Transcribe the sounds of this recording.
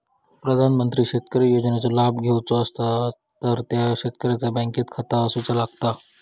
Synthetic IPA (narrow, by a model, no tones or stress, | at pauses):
pɾəd̪ʱanmənt̪ɾiːɕet̪̚kəɾejod͡znat͡salabɡʱewt͡soəst̪a | t̪əɾt̪jaɕet̪̚kəɾjat͡sabɛ̃ŋkit̪kʰət̪aəsut͡salaɡt̪a